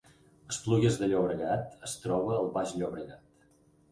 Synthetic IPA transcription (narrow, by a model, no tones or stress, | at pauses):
əspluɣəzðəʎoβɾəɣat̪əst̪ɾɔβəːlˠβaʒʎoβɾəɣat̪